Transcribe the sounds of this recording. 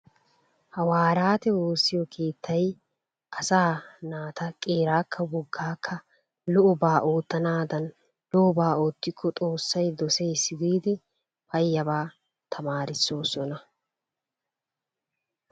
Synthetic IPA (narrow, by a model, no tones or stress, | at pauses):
hɐwaːɾaːt̪ɛwoːsːɪjɔkʰe̞ːt̪ʰːɐj | ʔɐsaːnaːt̪ɐkʼe̞ːɾaːkʰːɐwɔɡːaːkʰːɐ | lɔʔɔbaːʔoːt̪ːɐnaːd̪ɐn | lɔʔɔbaːoːt̪ːɪkːɔt̪ʼo̞ːsːɐjd̪ɔsejsɪɡ̪iːd̪ɪ | pɐjːɐbaː | t̪ʰɐmaːɾɪsːo̞ːsɔnɐ